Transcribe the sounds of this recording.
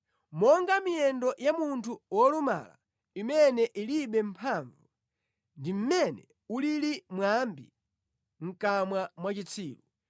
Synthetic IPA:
mɔŋɡamijɛndɔjamuntʰuwɔluma̰la̰ | imɛnɛʔiliɓɛm̩pʰaɱvu | ndim̩mɛnɛ | ulilimwambḭ | ŋ̩kamwamwat͡ʃit͡sʰiːlu

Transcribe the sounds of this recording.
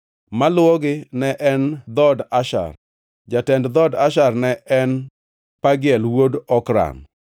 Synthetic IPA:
malʊɔɡɪnɛʔɛnd̪ɔdaʃa̰r | d͡ʒatɛndd̪ɔdaʃarnɛʔɛn | paɡɪɛlwodɔkɾa̰n

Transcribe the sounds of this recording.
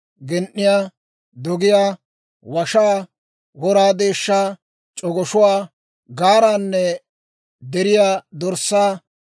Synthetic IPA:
ɡɛnʔːɪjaː | d̪ɔɡɪjaː | wɐʃaː | ɡɔɾaːd̪e̞ːʃːaː | t͡ʃʼɔɡɔʃʊwaː | ɡaːɾaːnːɛ | d̪ɛɾɪjaːd̪ɔɾsːaː

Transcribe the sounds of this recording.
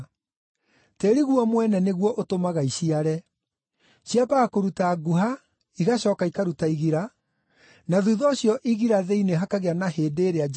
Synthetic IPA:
teɾiɣwɔmwɛnɛneɣwɔʔotomaɣaiɕiaɾɛ | ɕijabakoɾutaːɡuɦa | iɣaɕɔːkaikaɾutaiɣiɾa | naðuːðɔɕjɔʔiɣiɾaðeineɦakaɣeanaheːdeːɾea

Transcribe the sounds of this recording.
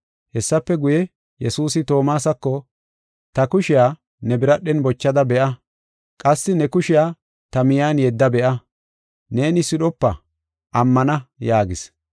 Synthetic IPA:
hɛsːɐpːɛɡʊjɛ | jɛsuːsɪt̪o̞ːmaːsɐkːɔ | t̪ɐkʊʃɪjaː | nɛbɪɾɐɗːɛnbɔt͡ʃːɐd̪ɐbɛʔɐ | kʼɐsːɪnɛkʊʃɪjaː | t̪ɐmɪjaːnjɛd̪ːɐbɛʔɐ | ne̞ːnɪsɪɗɔpːɐ̰ | ʔɐmːɐnɐjaːɡɪs

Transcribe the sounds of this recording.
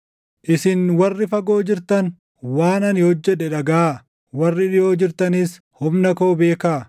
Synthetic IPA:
ʔɪsɪnwɐrːɪfɐɡo̞ːd͡ʒɪɾt̪ɐn | waːnɐnɪhɔd͡ʒːɛᶑɛᶑɐɡɐa | wɐrːɪᶑɪjo̞ːd͡ʒɪɾt̪ɐnɪs | hʊmnɐkoːbe̞ːkaː

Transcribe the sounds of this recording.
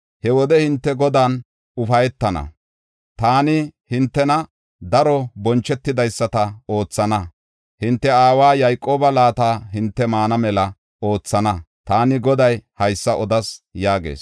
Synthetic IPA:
hɛwɔd̪ɛhɪnt̪ːɛɡɔd̪aːn | ʊfɐjɛt̪ːɐnɐ̰ | t̪aːnɪhɪnt̪ːɛnɐ | d̪ɐɾɔbɔnt͡ʃːɛt̪ːɪd̪ɐjsːɐt̪ɐo̞ːt͡sːɐnɐ | hɪnt̪ːɛaːwaːjɐjkʼo̞ːbɐlaːt̪aːhɪnt̪ːɛmaːnɐmɛlɐ | o̞ːt͡sːɐnɐ | t̪aːnɪɡɔd̪ɐjhɐjsːɐʔɔd̪ɐsjaːɡe̞̰ːs

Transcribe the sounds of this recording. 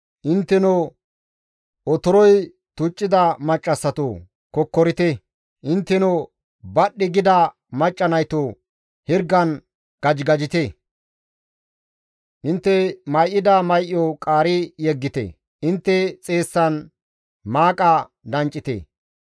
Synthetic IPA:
ʔɪnt̪ːɛnɔ | ʔɔt̪ɔɾɔj | t̪ʊt͡ʃʼːɪd̪ɐmɐt͡ʃʼːɐsːɐt̪o | kɔkːɔɾɪt̪ɛ | ʔɪnt̪ːɛnɔ | bɐɗːɪɡɪd̪ɐ | mɐt͡ʃʼːɐnɐjt̪o | hɪɾɡɐn | ɡ̥ɐd͡ʒɡɐd͡ʒɪt̪e | ʔɪnt̪ːɛmɐjʔːɪd̪ɐmɐjʔːɔkʼaːɾɪjɛɡːɪt̪ɛ̰ | ʔɪnt̪ːɛt͡sʼe̞ːsːɐn | maːkʼɐ | d̪ɐnt͡ʃʼɪt̪ḛː

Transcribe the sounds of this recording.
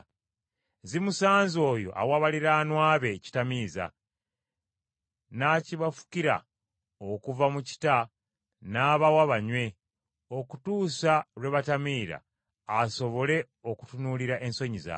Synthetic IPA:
zimusaːnzo̞ːjo̞̰ʔa̰waβaliɾaːnwaːβe̞ci̥tamiːza̰ | naːciβafu̥kiɾa̰ | o̞kuvamuci̥ta | naːβawaβaɲwe̞ | o̞kutuːsalwe̞βatamiːɾa̰ː | so̞βo̞le̞ | oku̥tunuliɾaʔe̞nso̞ɲiza̰

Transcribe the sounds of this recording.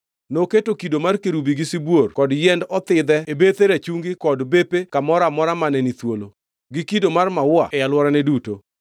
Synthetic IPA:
noketokidomarkeɾubiɡɪsibworkɔdjɛndɔt̪ɪd̪ɛebet̪eɾat͡ʃuŋɡɪkɔdbepekamɔɾamɔɾamanɛnit̪wolo | ɡɪkidomarmawwa̰ɛjalwɔɾanɛduto

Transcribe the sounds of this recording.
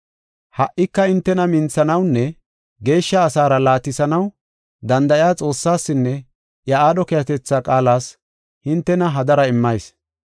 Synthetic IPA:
hɐʔːɪkːɐɪnt̪ːɛnɐmɪnt͡sːɐnɐwnːɛ | ɡe̞ːʃːɐːsaːɾɐlaːt̪ɪsɐnɐw | d̪ɐnd̪ɐʔjaːt͡sʼo̞ːsːaːsːɪnːɛ | jɐaːd̪ɔkɛjɐt̪ɛt͡sːaːkʼaːlaːs | hɪnt̪ːɛnɐɦɐd̪ɐɾɐɪmːɐjs

